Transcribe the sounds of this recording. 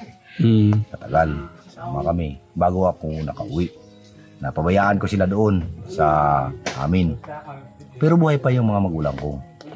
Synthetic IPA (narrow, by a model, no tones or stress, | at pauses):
sɐt̪ɐɡal | saːmakɐmɪbaːɡoʔɐkonɐkaʔʊwɪʔ | nɐpɐbajaːʔankosɪlad̪oʔonsaʔa̰ːmɪn | pɛɾobuːhajpajʊŋmɐŋamɐɡuːla̰ŋko